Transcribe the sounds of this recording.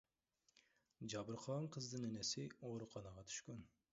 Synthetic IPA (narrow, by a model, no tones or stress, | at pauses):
d͡ʒɑbɨɾqʰɑɴqʰəzd̪ɨnenɛsɪoɾuqʰɑnɑʁɑt̪ʰy̥ʃkʲyn